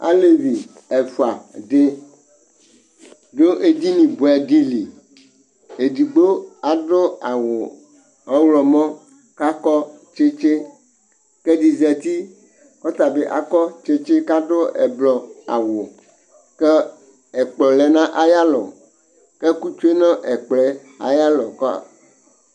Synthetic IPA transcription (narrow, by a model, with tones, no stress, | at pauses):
a̰˦le˦vi˨ | ɛ˨fu˨a˨ɖe˦ | ɖo˦ʔe˦d̪i˦nĩ˨bo˨ɛ˨di˦li˨ | e˨di˨ɡ͡bo˦a˨ɖʊ˦a˨wo˨ | ɔ̃˦wlɔ˨mɔ̃˦ | ka˦kɔ˦ | t͡ʃe˦t͡ʃe˦ | kɛ˦di˨zɛ˨t̪i˦ | kɔ˦t̪a˨be˦ʔa̰˨kɔ˦t͡ʃe˦t͡ʃe˦ka˦ɖo˦ɛ̰˨blɔ˨a̰˨wo˨ | kɛ˦ | ɛ˨k͡plɔ˨lɛ˨nã˦ʔa˦ja˦lɔ˨ | ke˦ku˦t͡ʃo˦e˦nã˦ʔɛ˨k͡plɛ˦ | a̰˨ja˦lɔ˨kɔ˦a̰˨